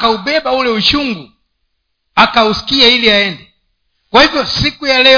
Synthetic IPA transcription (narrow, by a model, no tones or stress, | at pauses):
kauɓɛbaulɛuʃuŋɡu | akausi̥kiailiaɛndɛ | kwahivjɔsikujalɛ